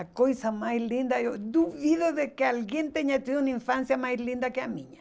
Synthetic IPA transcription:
akojsamajlĩnd̪aod̪uβiðoðekealɡjent̪eɲãt͡ʃ̪iunaĩɱfansjamajlĩnd̪akeamĩɲa

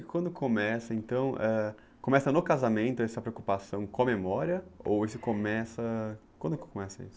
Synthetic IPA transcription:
kw̃nd̪ʊkʰomɛsɐẽnt̪ɐ̃w̃ʔɛ | kõmɛsɐnokazamẽnt̪ʊɛsɐpɾeokupasɐ̃w̃kõɐmemɔɾiɐo̰wesʊkomɛsɐkwɐ̃nd̪ʊkomɛsɐḭsʊ̥

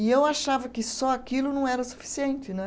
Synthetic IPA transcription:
ɪewaʃavɐkɪsɔakilʊnɐ̃w̃ɛɾɐsu̥fi̥siẽnt͡ʃɪnɛ̃

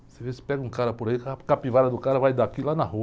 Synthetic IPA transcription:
sɪvesɪ̥pɛɡɐũkaɾɐpoɾaikakapivaɾɐd̪ʊkaɾɐvajd̪aakilanɐhu

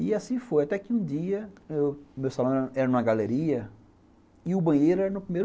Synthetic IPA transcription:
iasĩfojat̪ɛkɪũd͡ʒiɐewmewsalõɛɾɛɾɐnũɐɡaleɾiɐ | ɪʊbɐ̃j̃ejɾʊɛɾɐnʊpɾimejɾ

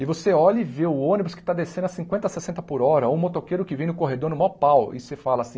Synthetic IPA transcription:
ɪvoseɔʎɐiveʊõnibʊskɪ̥t̪ad̪esẽnd̪ɐsĩŋkwẽt̪ɐsesẽnt̪ɐpʊɾɔɾɐõmot̪okeɾʊkɪvẽj̃nʊkoɦed̪oɾnʊmɔpawɪ̰sefalɐasĩ

